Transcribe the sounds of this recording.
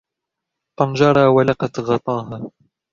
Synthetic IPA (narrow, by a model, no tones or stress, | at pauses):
pɑnd͡ʒɑɾˤɑːwalaqɑt̪ɣɑt̪ˤɑːɦaː